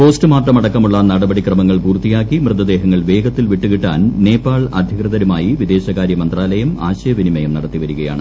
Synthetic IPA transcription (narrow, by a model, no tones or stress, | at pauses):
po̞ːstɨmaːʈːɐmɐɽɐkːɐmuɭːɐnɐɽɐbɐɽikrɐmɐŋːɐɭpuːrt̪ijaːkːimrɨd̪ɐd̪e̞ːɦɐŋːɐɭʋe̞ːɡɐt̪ːilʋiʈːuɣiʈːa̰ːnne̞ːpːaːɭɐ̰d̪ʱjɐkrɐðɐɾumaːjiʋid̪e̞ːɕɐɣaːɾjɐmɐnd̪raːlɐjɐma̰ːɕɐjɐʋinimɐjɐmnɐɽɐt̪ːiʋɐɾuɣɐja̰ːɳɨ